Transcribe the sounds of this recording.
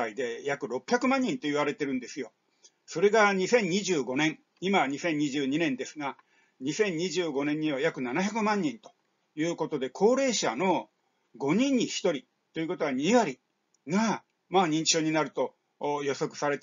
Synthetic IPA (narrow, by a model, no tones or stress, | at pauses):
aid̪e̞jakɯ̟ɾo̞pʲːçjakɯ̟mãɲ̟ːĩnt̪o̞iβ̞aɾe̞t̪e̞ɾɯ̟̃nd̪e̞sɨjo̞ | so̞ɾe̞ɡaɲ̟isẽ̞ɲ̟ɲːiʑɨːɡo̞nẽ̞ɴ̃ | imaɲ̟isẽ̞ɲ̟ɲiʑɨːɲinẽ̞nd̪e̞sɨɡa | ɲisẽ̞ɲ̟ɲiʑɨːɡo̞nẽ̞ɲ̟ːiβajakɯ̟nanaçakɯ̟mãɲ̟ːĩnt̪o̞̥ | jɯ̟ːko̞t̪o̞d̪e̞kʰo̞ːɾe̞ːɕa̰no̞ | ɡo̞ɲ̟ĩɲ̟ːiçi̥t̪o̞ɾʲi | t̪ːo̞jiɯ̟ko̞t̪o̞βaɲ̟iβaɾʲi | ɡa | maːɲ̟ĩɲ̟t͡ɕi̥ɕo̞ːɲ̟inaɾɯ̟t̪o̞ | jo̞so̞kɯ̟̥saɾe̞t̪